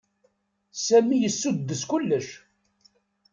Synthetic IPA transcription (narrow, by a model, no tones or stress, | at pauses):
sæmijəsːud̪ːəskʊlːəʃ